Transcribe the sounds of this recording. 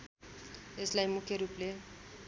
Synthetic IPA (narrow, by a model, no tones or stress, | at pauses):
eslajmukeɾuple